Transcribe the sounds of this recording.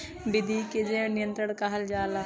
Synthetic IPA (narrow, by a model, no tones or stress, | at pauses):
bɪd̪ʱiked͡ʒenɪjə̃nt̪ɾəɽ̃kaɦɐld͡ʒaːla